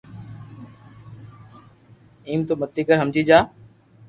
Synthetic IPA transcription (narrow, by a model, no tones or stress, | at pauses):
iːmt̪omət̪ːiːkəɾɦəmd͡ʑiːd͡ʒaː